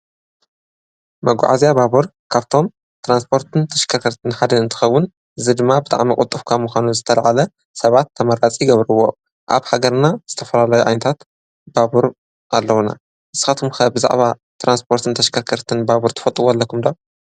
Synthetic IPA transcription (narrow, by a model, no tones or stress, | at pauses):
mɐɡ̰ʷʕa̰zijababuɾ | kʰaβt̪ʰo̞m | t̪ʰɾanspʰo̞ɾt̪ʰɨnt̪ʰɐʃkʰɐɾkʰɐɾt̪ʰɨnħad̪ɐɨnt̪ʰɨ̥xɐwːʊn | ʔɨzɨd̪ɨmːabɨt̪ʼa̰ʕmikʼʊt̪ʼːɨfkʰamuxʷanuzɨt̪ʰɐlɐʕalɐ | sɐβat̪ʰːɐmɐɾat͡sʼiɡɐβɾɨwːo̞̰ | ʔa̰βħaɡɐɾnaz̥ɨt̪ʰɐfɐlalajuʕajnɐt̪ʰat̪ | babuɾ | ʔalːɐwna̰ | ʔɨsɨ̥xat̪kumxɐbɨza̰ʕβa | t̪ɾanspʰo̞ɾt̪ʰɨnt̪ʰɐʃkʰɐɾkʰɐɾt̪ʰɨnbabuɾt̪ʰɨ̥fɐt̪ʼɨwolːɐkʰumd̪aw